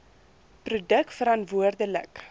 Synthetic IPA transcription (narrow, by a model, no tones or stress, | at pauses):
prudəkfəɾɐntvuərdələk